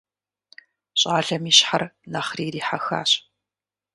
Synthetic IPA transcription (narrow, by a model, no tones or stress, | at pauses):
ɕʼaːɮɐmiːɕħarnɐχriːɾiːħaxa̰ːɕ